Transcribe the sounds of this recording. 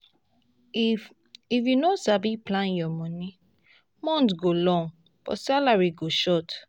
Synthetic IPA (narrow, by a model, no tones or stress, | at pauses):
ifjunosabiplãnjɔmɔ̃nĩ | mɔ̃ntɡolɔ̃ŋ | b̥ɔ̰salaɹiɡoʃɔt